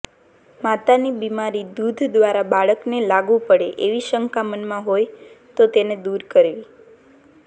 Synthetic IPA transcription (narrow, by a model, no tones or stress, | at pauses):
mat̪anibimaɾid̪ud̪ʱd̪ʋaɾabaɭəknelaɡũpəɽeʔeʋiʃəŋkamənmãɦojt̪ot̪ened̪uɾkəɾʋi